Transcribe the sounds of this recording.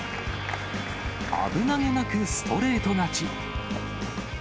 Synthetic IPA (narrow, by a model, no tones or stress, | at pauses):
a̰bɯ̟naɡe̞nakɯ̟sɨ̥t̪ʰo̞ɾe̞ːt̪o̞nat͡ɕi